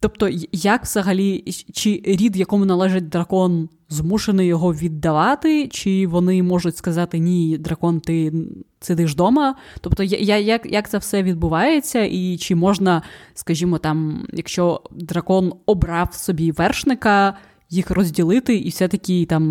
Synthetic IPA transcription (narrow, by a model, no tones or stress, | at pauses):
t̪ɔpt̪ɔjakʋz̥ɐɦɐlʲit͡ʃɪɾʲid̪jɐkɔmʊnɐlˠɛʒɪt̚ʲd̪ɾɐkɔn | zmuʃenɪjɔɦɔʋʲid̪ːɐʋɑt̪ɪt͡ʃɪʋɔnɪmɔʒʊtʲskɐzɑt̪ɪnʲid̪ɾɐkɔnt̪ɪ | sed̪ɪʒd̪ɔmɐ | t̪ɔpt̪ɔjjajakjʔak̚t̪sɛwsɛʋʲid̪̚bʊʋɑjet͡sʲːɐʔit͡ʃɪmɔʒnɐskɐʒʲimɔt̪ɑmjɐkʃt͡ʃɔd̪ɾɐkɔnɔbɾɑwsɔbʲiʋɛrʃnɪkɐ | jixrɔzʲdʲilˠɪt̪ɪʔiwsʲɛt̪ɐkʲit̪ɑm